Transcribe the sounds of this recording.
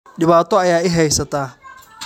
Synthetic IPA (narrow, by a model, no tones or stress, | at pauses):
ɗɪβaːt̪ʰɔɐjaːɪɦɛjsɐt̪ʰaː